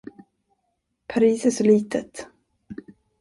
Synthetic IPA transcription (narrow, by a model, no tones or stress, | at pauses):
pʰaɾiːsæʂɔliːt̪ət̪